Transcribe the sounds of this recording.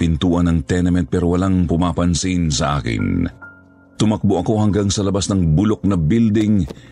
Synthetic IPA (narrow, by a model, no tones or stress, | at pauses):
pɪnt̪uːʔɐnɐŋt̪ɛnɐmɛnt̪̚pɛɾowɐlaŋpʊmaːpɐnsinsɐ̰ʔaːkɪ̰n | t̪ʊmɐk̚boʔɐko̞hɐŋɡaŋsɐlɐbasnɐŋbʊlok̚nɐbild̪ɪŋ